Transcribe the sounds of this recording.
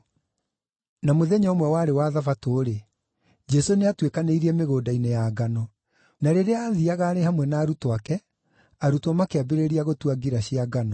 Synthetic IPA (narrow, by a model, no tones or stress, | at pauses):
namoðɛɲɔomwɛwaːɾewaðafatoːɾe | d͡ʒɛsoneatwekaneiɾiɛmeɣoːdainejaɡanɔ | naɾeɾeaːðiaɣaːɾehamwɛnaːɾutwakɛ | aɾutɔmakeabeɾeɾiaɣotuaɡiɾaɕiaɡanɔ